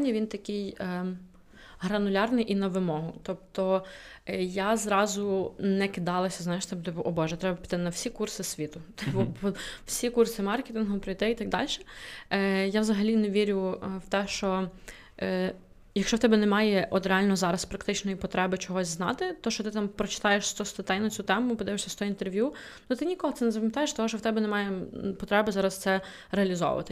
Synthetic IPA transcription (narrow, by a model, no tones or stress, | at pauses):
nʲːɐʋʲint̪ɐkʲɪj | ɦɾɐnʊlʲɑrnɪjʔinɐʋɪmɔɦʊt̪ɔp̚t̪ɔ | jazɾɑzʊnɛkɪd̪ɑlˠɐsʲɐznɑjɪʃt̪ɛbt̪ɛbʔɔbɔʒɛt̪ɾɛbɐpʲi̥t̪ɪnɐwsʲikursɪsʲʋʲit̪ʊt̪bɔɔwsʲikursɪmɑrkʲet̪inɦɔpɾɪjt̪ɪit̪ɐɡ̚d̪ɑ̰lʲʃɛ̥ | jawzɐɦɐlʲinɛʋʲiɾʲʊwt̪ɛʃt͡ʃɔ | jɐkʃt͡ʃɔwt̪ɛbɛnɛmɑjɛʔɔt̪ɾeɑlʲnɔzɑɾɐspɾɐkt̪ɪt͡ʃnɔjipɔt̪ɾɛbɪt͡ʃɔɦɔsʲznɑ̰t̪ɪt̪ɔʃt͡ʃɔt̪ɪt̪ɑmpɾɔt͡ʃɪ̥t̪ɑjeʃst̪ɔst̪ɔt̪ɛjnɐt͡sʲut̪ɛmʊpɔd̪ɪʋɪʃsʲɐst̪ɔint̪erʋʲju | nut̪ɪnʲikɔɦɔt̪sɛnɛzɐpɔmjɐt̪ɑjeʃt̪ɔɦɔʃt͡ʃɔwt̪ɛbɛnɛmɑjɛpɔt̪ɾɛbɪzɑɾɐst̪sɛ | ɾeɐlʲizɔ̰ʊ̰ʋɐ̰t̪ɪ